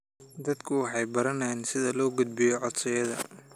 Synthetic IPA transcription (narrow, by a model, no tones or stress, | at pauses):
d̪ɐd̪kʰʊwɑħɑjbɐɾɐnɛnsɪðɐlɔːɡʊd̪̚bɪjɔʕɔd̪sɐjɐðɐ̰